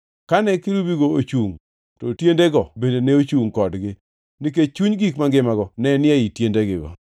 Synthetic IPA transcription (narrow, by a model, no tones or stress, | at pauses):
kanɛkiɾubiɡoot͡ʃuŋ | tɔtjendeɡɔbendeneot͡ʃuŋkɔdɡɪ | nik̬et͡ʃuɲɡikmaŋɡɪmaɡɔnɛnɪɛitjendeɡɪɡɔ̰